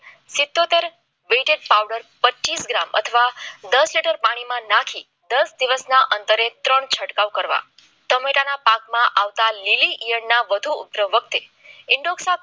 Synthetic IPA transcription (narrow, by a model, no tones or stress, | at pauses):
sɪt̪ːot̪eɾ | ʋeʈeɖ̚pawɖəɾpət͡ʃːt͡ʃisɡɾamə̰t̪ʰəʋad̪əsliʈəɾpaɽ̃imãnakʰi | d̪əsd̪iʋəsnaʔənt̪əɾet̪ɾəɳt͡ʃʰəʈkaʋkəɾʋa̰ | t̪əmeʈanapakmãʔaʋt̪aliliʔijəɽnaʋəd̪ʱuʊ̰pɾəʋːək̚t̪e | ɪɳɖoksa